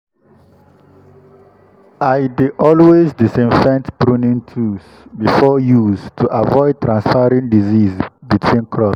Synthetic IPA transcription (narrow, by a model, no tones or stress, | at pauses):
ajdiʔɔlwezdisĩnfɛ̃ntbɹũnĩntʰus | bifɔjuztʰuʔavɔɪd̚tʰɹãnsfaɹĩŋdizizbitʰwĩnkʰɹɔp